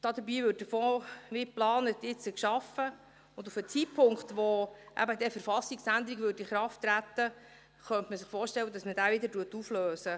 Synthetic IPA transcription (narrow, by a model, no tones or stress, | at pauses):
d̥ɑd̥̪əbiːvʏːt̚dəfoːmɪplɑːnət̪ɪt͡səkʃɑfə | ʊndufət͡sitpʰʊŋkχt̪ʋoʔæ̰bəd̪ɛfəɾfɑsːiksænd̪əɾiɡʋøːɾiχɾɑftːɾæt̪ːə | χœnt̪məsɪχfoːɾʃtɛlwːədɑsməd̥æːʋɪd̪əɾtuətufløːsə